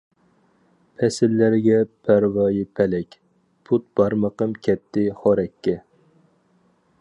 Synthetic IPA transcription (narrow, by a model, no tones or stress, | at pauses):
pʰɛsɪlːæɾɪɡʲɛpʰæɾvɑːjipʰɛlɛkʲ | pʰut̪̚b̥ɑɾməqəmkʲʰɛp̚t̪ːɪχoɾɛkʲːɛ